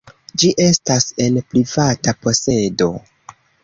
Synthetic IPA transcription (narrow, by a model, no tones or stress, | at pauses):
d͡ʒiʔe̞stase̞npɾivatapo̞se̞do̞